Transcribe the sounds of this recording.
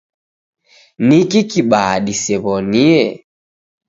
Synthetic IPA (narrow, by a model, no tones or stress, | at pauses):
nikikiɓaɗisɛβɔniɛ